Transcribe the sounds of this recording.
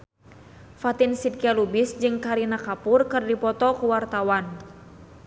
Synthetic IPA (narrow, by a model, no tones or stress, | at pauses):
fat̪insid̪̚kalubisd͡ʒɨŋkaɾinakapʊrkɨrdipɔt̪ɔkuwart̪awan